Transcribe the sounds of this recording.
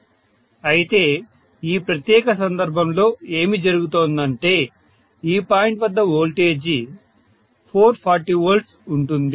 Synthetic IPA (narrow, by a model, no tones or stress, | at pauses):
ɐjit̪e̞ː | iːpɾɐt̪jɛːkɐsɐnd̪ɐɾbʱɐmlo̞ːe̞ːmid͡ʒɐɾuɡut̪oːnd̪ɐɳʈe̞ː | iːpaːjiɳʈʋɐd̪ːɐoːlʈe̞ːd͡ʒi | pʰoːɾpʰaːɾʈiːʋɐɾlɖsuɳʈund̪i